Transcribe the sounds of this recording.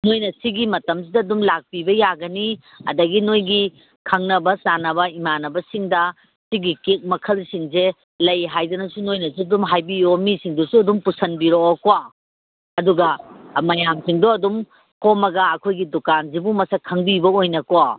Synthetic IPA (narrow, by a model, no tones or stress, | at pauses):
nojnɐsiɡimɐtɐmsidɐːdumlak̚pibɐjaɡɐni | ɐ̰dɐɡinojɡi | kʰɐŋnɐbɐsanɐbɐimanɐbɐsiŋdɐ | siɡikek̚mɐkʰɐlsiŋze | lɐjɦajdɐnɐsunojnɐsiɐdumɦajbiomisiŋdosuɐdumpusɐnbiɾoɐkowa | ɐduɡɐmɐjamsiŋdoɐdum | kɔmɐɡɐɐkʰojɡidukanzibumɐsɐkʰɐŋbibɐojnɐkoa